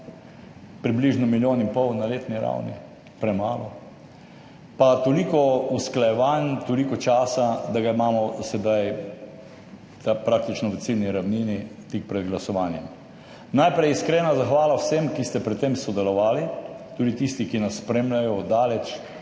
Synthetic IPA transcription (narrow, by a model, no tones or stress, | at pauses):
pɾibliːʒnɔmiljoːnimpɔwnaleːt̪niɾa̰wnḭ | pɾɛmaːlɔ | pat̪olikɔusklajɛʋant̪olikɔt͡ʃaːsad̪aɡaimaːmɔsɛd̪aj | t̪apɾaːk̚t̪it͡ʃnɔʋət̪silniɾawniːnit̪ik̚pɾɛd̪ɡlasɔʋaːnjɛm | najpɾɛjiskɾeːnazaxʋaːlawsemkist̪ɛpɾɛt̪t̪ːemsɔd̪ɛlɔʋaːlit̪uːd̪it̪iːst̪ikinasːpɾeːmlʲajɔd̪aːlɛt͡ʃ